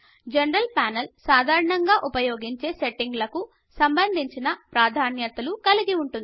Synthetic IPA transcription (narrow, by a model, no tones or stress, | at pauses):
d͡ʒɐnɾɐlpaːnelsaːd̪ʱaːɾɐɳɐŋɡaːʔupɐjoːɡiɲt͡ʃeːseʈːiŋɡlɐku | sɐmbɐnd̪ʱiɲt͡ʃinɐpɾaːd̪ʱaːnjɐt̪ɐlukɐliɡiuɳʈund̪i